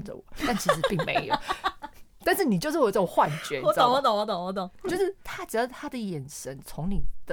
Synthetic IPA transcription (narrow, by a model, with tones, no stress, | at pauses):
nʈ͡ʂə̰˨wɔ̰˨˩˦t̪a˥˩nt͡ɕʰi˧˥ʂ̬̩˧˥pi˥˩ŋmḛ˧˥ɪjo˨˧˩ | t̪a˥˧nʂ̬̩˥˩ni˨˩t͡ɕjo˥˧ʊʂɻ̩˥˩˨o˨˩˦xwa˥˨˩nt͡ɕɥɛ˧˥˦ɔ˧˦twɔ˧˦t̪o˨˦wɔ˧˥t̪o˨˩wɔ˧˥t̪o˨˩˦t͡ɕjo˥˧ʊʂɻ̩˥˩t̪ʰa˥ʈ͡ʂɻ̩˨˩d̪t̪ʰa˥d̪ə˨jɛ˨˩nʂə˦nt͡sʰʊ˧˥ŋni˨˩d̪ə˨